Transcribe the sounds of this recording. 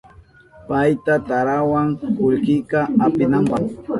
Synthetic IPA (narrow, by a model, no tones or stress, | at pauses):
pajt̪at̪aɾawaŋkʊʎkɪkaapɪnampɑχ